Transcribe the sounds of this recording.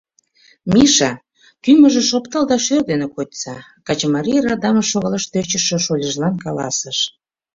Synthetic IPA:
mʲiʃɑ | kyməʒĕʃopt̪ɑld̪ɑʃørd̪enekot̪ʲt͡sɑkɑt͡ɕmɑɾʲirɑd̪ɑməʃoɣɑlɑʃt̪øt͡ɕə̆ʃø̆ʃolʲəʒlɑnkɑlɑ̰səʃ

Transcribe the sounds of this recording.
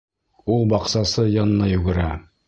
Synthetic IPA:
ulˠbɑqsɑsɤjɑnɤ̆nɑjʉɡɘ̆ɾæ

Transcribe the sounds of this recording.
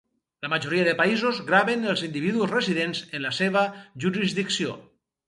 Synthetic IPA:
lamaʒoɾiaðəpaizozɣɾaβenəlˠzind̪iβiðuozreziðenzenlaseβaʒuɾizðiksio̰

